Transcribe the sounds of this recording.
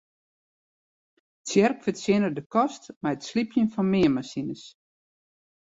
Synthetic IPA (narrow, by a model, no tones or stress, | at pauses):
tsjɛrkfətsjɪnədəkɔstmɛjətslipʰjənfɔnmɪəmasinəs